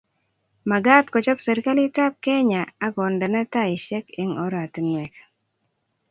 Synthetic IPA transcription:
ma˨ɡa˦tkɔ˨t͡ʃɔ˦pse˨ɾi˦ka˦lɪ˦ta˦p̚kɛ˦ɲa˨a˦ɡɔ˨ndɛ˨nɛ˦ta˦i˨ʃɛ˦ke˦ŋɔ˦ɾa˨tnɛ˨k

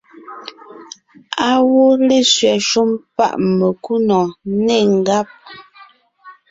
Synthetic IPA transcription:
a˦wo˦le˦˨sɥɛ˨ʃu˦mpa̰˦˨ʔmə˨ku˦nɔ˨ne˦˨ŋ˨ɡa˦p̚

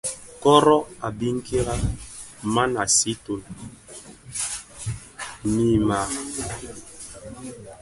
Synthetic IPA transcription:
kɔ˦ɾɔ˦a˨bi˦ŋ̩˦ki˦ɾa˦ | ma˦na˨si˦to˨n | mi˨ma˨

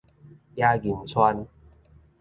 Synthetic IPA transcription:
jaː˦˥ki˨nt͡sʰwa˦˥n

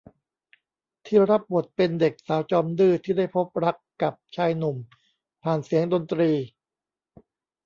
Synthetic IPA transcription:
t̪ʰiː˥˩ɾa˦˥p̚bu˨˩ət̪̚pe˧nde˨˩k̚saː˩˦wt͡ɕɔː˧mdɯː˥˩t̪ʰiː˥˩da˥˩jpʰo˦˥p̚ɾa˦˥kːa˨˩p̚t͡ɕʰaː˧jnu˨˩m | pʰaː˨˩nsi˩˦əŋdo˧nt̪ɾiː˧

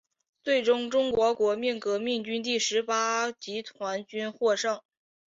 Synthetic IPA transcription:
t͡swe˥˩ɪʈ͡ʂʊ˥ŋʈ͡ʂʊ˥ŋkwɔ˧˥kwɔ˧˥mi˥˩nkɤ˧˥mi˥˩ŋt͡ɕy˥nt̪̬i˥˩ʂɻ̩˧˥pa˥t͡ɕi˧˥t̪ʰwa˧˥nt͡ɕy˥nxwɔ˥˧ʂɤ˥˩ŋ

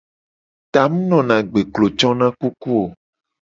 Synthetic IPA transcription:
t̪a˨m̃˦nɔ̃˨nã˨ɡ͡be˨klo˨t͡ʃɔ̃˦nã˦ku˦ku˦o˨

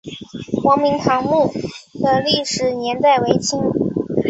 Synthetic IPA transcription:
xwɑ˧˥ŋmi˧˥ŋt̪ʰɑ˧˥ŋmu˥˩d̪ə˧li˥˩ʂɻ̩˨˩njɛ˧˥nt̪a˥˩ɪwe˧˥ɪt͡ɕʰi˥ŋ

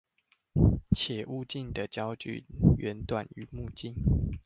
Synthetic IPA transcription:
t͡ɕʰjɛ˨˩˦ʔu˥˧t͡ɕi˥˨nd̪ə˨t͡ɕjɑ˦ʊt͡ɕy̰˨ɥɛ˨˦nt̪wa˨˩ny˨˦mu˥˧˨t͡ɕi˥˨n

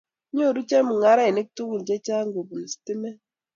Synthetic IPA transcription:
ɲo˦˨ɾu˦t͡ʃɛ˦mu˨ŋa˦ɾa˦e˨ne˦k̚tu˦ku˨n˨d͡ʒɛ˦t͡ʃa˦ŋɡo˨bu˨n˨si̥˨ti˦mɛ˦

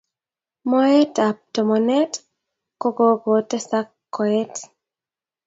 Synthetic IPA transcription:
mɔ˦ɛ˦ta˨p̚tɔ˨mɔ˨nɛ˦t | ko˦ɡo˦ɡo˨tɛ˦sa˦kːɔ˨ɛ˦t

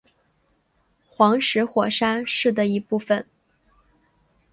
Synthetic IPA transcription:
xwɑ˧˥ŋʂɻ̩˧˥xwɔ˨˩ʂa˥nʂɻ̩˥˩d̪ə˩i˧˥pu˥˩fə˨˩n

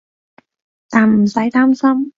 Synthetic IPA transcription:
t̪aː˨˩nm̩˨˩sɐ˨˥jt̪aː˥msɐ˥m

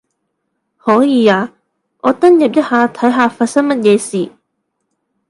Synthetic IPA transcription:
hɔː˨˥jiː˨˧aː˨˧ | ŋʔɔː˨˧t̪ɐ˥ŋjɐ˨p̚jɐ˥t̚haː˨˧t̪ʰɐ˨˥jɦaː˧faː˧t̚sɐ˥ŋmɐ˥t̚jɛː˨˧siː˨˩

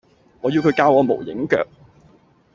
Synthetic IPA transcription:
ŋɔː˨˧ji˧wkʰɵ˨˧ɥkaː˧wɔː˨˧mo̰˨˩wjɪ̰˨˥ŋkœ̰ː˨k̚

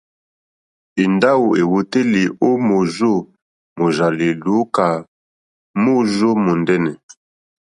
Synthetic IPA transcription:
i˨nda˦wo˨e˨wo˨te˦li˨o˦mo˨zo˦ | mo˨ʒa˨li˨lo˨˦ka˨ | mo˦zo˦mo˨ndɛ˦nɛ˨

